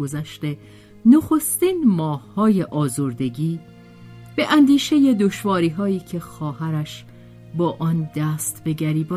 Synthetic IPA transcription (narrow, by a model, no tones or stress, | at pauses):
ozæʃt̪e̞ | noxo̞st̪iːnmɒːhhɒːje̞ʔɒːzoɾd̪e̞ɟiː | b̥eʔænd̪iːʃe̞je̞d̪oʃvɒːɾiːɦɒːiːcʰe̞xɒːhæɾæʃ | bɒːʔɒːnd̪æːst̪be̞ɡæɾiːbɒ